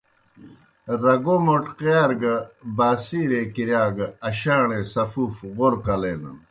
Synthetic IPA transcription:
ɾɐɡomoʈqjaːɾɡɐbaːsiɾekiɾjaːɡɐɐɕaːɳesɐfuːfɣoɾkɐleːnɐ̰n

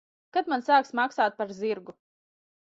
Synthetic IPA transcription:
kat̪mansaːksmaksaːt̪̚paɾziɾɡu

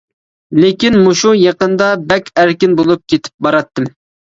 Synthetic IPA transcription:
lekʲinmuʃujɑqənd̪ɑbɛkʲæɾkʲɪnbolˠup̚kʲʰet̪ʰɪ̥p̚bɑɾɑt̪ːɨm

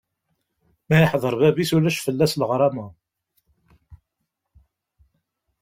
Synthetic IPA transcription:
mæjəħðˤəɾˤbæbisulæʃfəlːæsləʁɾˤɑmə

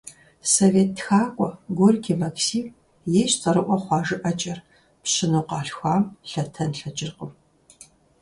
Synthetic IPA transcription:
soveːtːxaːkʷʼɔɡʷɔrkʰʲimɐksiːm | jeːɕt͡sʼɐɾɨʔʷɔχʷɑːʒɨʔɐt͡ʃʼɐr | pɕɪnuːqɑːɬxʷaːmɬɐtʰɐnɬɐd͡ʒʼɪrqəm

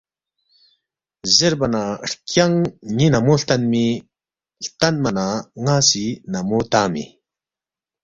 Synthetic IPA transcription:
zeɾbanahkjaŋɲinamoɬt̪anmi | ɬt̪anmanaŋasinamot̪amḭ

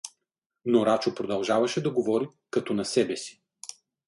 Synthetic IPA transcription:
noɾat͡ʃopɾod̪ɐlˠʒavɐʃɛd̪ɐɡovɔɾi | kɐt̪ɔnɐsɛbɛsi̥

